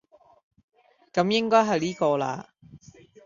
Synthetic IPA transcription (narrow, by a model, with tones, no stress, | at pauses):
kɐ˨˧˥mjɪ˥ŋkɔː˥jɦɐ˨jliː˥kɔː˧la̰ː˧